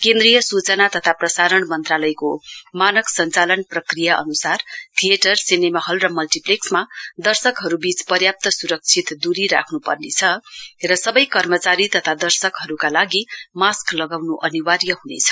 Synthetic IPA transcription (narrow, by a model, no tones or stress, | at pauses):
kẽnd̪rijʌsut͡sʌnat̪ʌt̪ʰaprʌsaɾʌnmʌnt̪ralʌjkomanʌksʌnt͡salʌnprʌkrijaʔʌ̰nusart̪ʰijeʈʌrsinemaɦʌlrʌmʌlʈipleksmad̪ʌrsʌkɦʌɾubit͡spʌrjap̚t̪ʌsuɾʌk̚t͡sʰit̪d̪uɾiɾa̰kʰnupʌ̰rnet͡sʰʌrʌsʌbʌjkʌrmʌt͡saɾit̪ʌt̪ʰad̪ʌrsʌkɦʌɾukalaɡimasklʌɡawnuʔʌniwarjʌɦunḛt͡sʰʌ̥